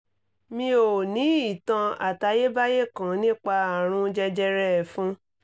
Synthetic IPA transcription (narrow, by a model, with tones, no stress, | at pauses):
mĩ˧˦o˨nĩ˨˦i˨tã˧a̰˨ta˧je˦ba˦je˦kã˨˦nĩ˦k͡pa˧a˨ɾ̃ũ˧˦d͡ʒɛ˧d͡ʒɛ˧ɾɛ˦˨fũ˦